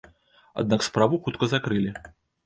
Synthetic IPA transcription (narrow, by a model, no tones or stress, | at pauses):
a̰d̪̚nakspɾavuxut̪̚kɐzakɾɨlʲi